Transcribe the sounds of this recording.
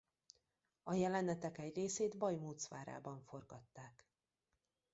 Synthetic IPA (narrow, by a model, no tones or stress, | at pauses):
ɒjɛlɛnɛt̪ɛkɛɟreːseːd̪bɒjmuːt̪sʋa̰ːɾa̰ːbɒɱfo̞rɡɒt̪ːaːk